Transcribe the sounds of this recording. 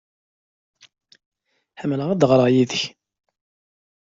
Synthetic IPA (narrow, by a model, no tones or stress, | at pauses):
ħəmələʁæd̪ʁɾˤəʁjiðəç